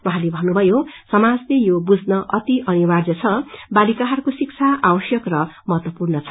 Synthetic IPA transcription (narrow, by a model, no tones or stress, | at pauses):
wãɦãlebʱʌnːubʱʌjosʌmad͡zlejobud͡znʌʔʌt̪iʔʌniward͡zʌt͡sʰʌbalikaɦʌɾukosik̚t͡sʰaʔawʌsjʌkrʌmʌɦʌt̪wʌpurnʌt͡sʰʌ